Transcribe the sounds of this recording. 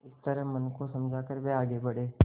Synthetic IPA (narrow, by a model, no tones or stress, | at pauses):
ɪst̪əɾəmɐnkosɐmd͡ʒʱaːkəɾʋeaːɡebɐɽeː